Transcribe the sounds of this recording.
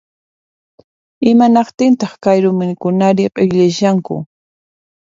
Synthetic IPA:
ɪmanɑqt̪ɪnt̪ɑχkajɾʊmɪŋkʊnaɾɪqɪʎaʃaŋkʊ̰

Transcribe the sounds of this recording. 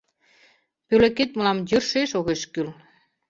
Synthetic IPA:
pølĕket̪̚məlɑmjyrʃeʃoɣeʃkyl

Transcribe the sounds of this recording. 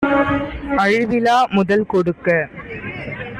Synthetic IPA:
ʔɐɻɪʋɪlaːmʊðɐlkɔɽɯkːɐ

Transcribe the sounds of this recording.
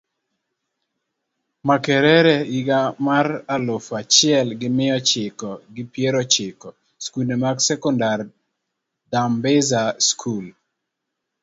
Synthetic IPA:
makɛɾɛɾɛiɡamaralofat͡ʃɪɛlɡɪmɪɔt͡ʃɪkɔɡɪpjeɾɔt͡ʃɪkɔ | skulnemaɡsɛkɔndar | dambɛzaskʰul

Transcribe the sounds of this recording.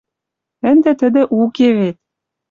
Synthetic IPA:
ɘ̆nd̪ĕt̪ɘ̆d̪ɘ̆ʔukeβet̪̚

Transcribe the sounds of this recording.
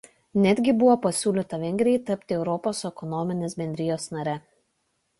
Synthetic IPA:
nʲæd̪ʲɡʲɪbʊʋoːpɐsʲuːlʲɪt̪ɐʋʲɛŋʲɡɾʲɪjɛɪt̪ɐpʲt̪ʲɪɛʊɾɔpoːsɛkɔnɔːmʲɪnʲeːsbʲɛnʲd̪ʲɾʲɪjoːsnɐɾʲɛ

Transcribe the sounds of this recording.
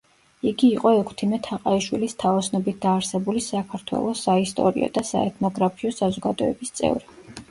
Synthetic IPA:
iɡiːqʼɔɛkʰt̪ʰimɛt̪ʰaqʼaiʃwilist̪ʰaɔsnɔbit̪̚ʰd̪aːɾsɛbulisakʰaɾt̪ʰwɛ̰lˠɔsaist̪ʼɔ̰ɾḭɔ̰d̪asa̰ɛt̪ʰnɔɡɾapʰiɔsazɔɡad̪ɔɛbist̪sʼɛ̰vɾi

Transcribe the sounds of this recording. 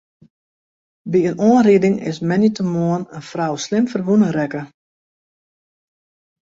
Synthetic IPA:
biənoənriədɪŋɪ̰smɛnitəmoənənfrawslɪmfərʋunəɾɛkə

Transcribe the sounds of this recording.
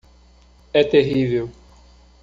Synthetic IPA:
ɛt̪eɦivew

